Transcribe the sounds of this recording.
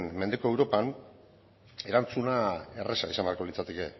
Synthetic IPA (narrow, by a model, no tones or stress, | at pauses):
nmend̪eko̞ewɾo̞pan | e̞ɾant͡sunae̞resa̰isambeaɾko̞lit͡sat̪e̞ke̞